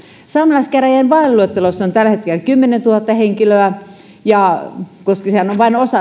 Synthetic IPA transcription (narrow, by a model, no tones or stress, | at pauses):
sɑmlɑskæræjænʋɑelluet̪ːelosːont̪ælhet̪kelkymːenent̪uhɑt̪ːɑheŋkiløæ | jɑkoskɑsehænoʋʋɑinosɑ